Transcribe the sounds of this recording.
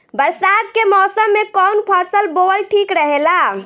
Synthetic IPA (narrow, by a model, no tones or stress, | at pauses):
bəɾsad̪̚kemɔsəmːekɔnpʰəsəlboəlʈʰikɾəɦela